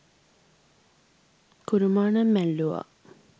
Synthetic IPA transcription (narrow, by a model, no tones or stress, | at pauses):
kuɾumaːnɐmːælːuʋa̰